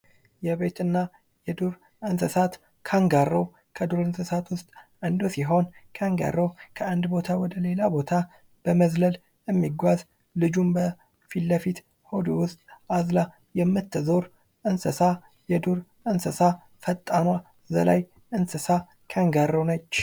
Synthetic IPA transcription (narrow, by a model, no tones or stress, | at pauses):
jɛβe̞t̪ɨnːa | jɛd̪uɾ | ʔənsəsat̪ | kʰaŋɡarːow | kʰəd̪uɾɨnsəsat̪wʊst̪ʼʔɨnd̪osiɦo̞nkʰaŋɡa̰rːokʰəand̪bo̞t̪ʰawɔd̪əle̞labo̞t̪ʰa | b̥əməzləl | jɛmːiɡʷaz | lɨd͡ʒumbə | filːəfit̪ | hod̪owʊst̪ʼazla | jɛmːɨt̪ʰːzo̞ɾ | ʔɨnsəsa | jɛd̪uɾ | ɨnsəsa | fət̪ʼːana | zə̰la̰j | ʔɨnsəsa | kʰaŋɡarːownət͡ʃː